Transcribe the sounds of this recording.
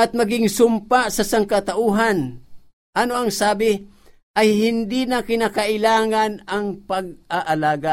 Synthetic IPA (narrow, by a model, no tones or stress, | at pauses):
ɐt̪̚mɐɡɪŋsʊmpaʔsɐsaŋkɐt̪aʔuːɦan | ʔanoɐŋsaːbɪ | ʔɐjhɪnd̪inɐkɪnakɐʔɪlaːŋanɐŋpɐɡ̚aʔɐlaːɡa